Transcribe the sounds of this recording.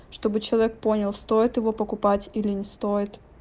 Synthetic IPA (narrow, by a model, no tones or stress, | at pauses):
ʂt̪o̞bɨt͡ɕɪlˠɐvʲek̚po̞nʲɪlˠst̪o̞jɪt̪jɪvo̞pəkʊpatʲilʲɪnʲɪst̪o̞jɪt̪